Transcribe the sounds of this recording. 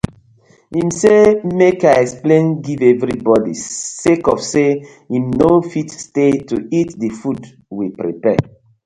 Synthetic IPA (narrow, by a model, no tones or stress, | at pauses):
ĩmsemekaɪɛksplẽnɡivɛvɾibɔdḭsekɔfse | imnofitstetuitdəfud | wipɾḭpɛ